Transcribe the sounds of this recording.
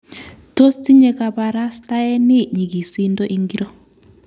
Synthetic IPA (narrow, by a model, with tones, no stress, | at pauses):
to˦sti˦ɲɛ˨ka˨pa˨ɾa˦sta˦ɛ˦ni˦ɲi˨ɡi˨si˦ndɔ˦ʔi˦ŋɡi˦ɾɔ˦